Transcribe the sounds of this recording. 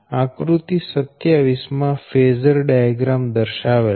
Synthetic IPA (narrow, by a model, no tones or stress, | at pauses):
ãkɾut̪isət̪jaʋismãfezəɾɖajaɡɾamd̪əɾʃaʋel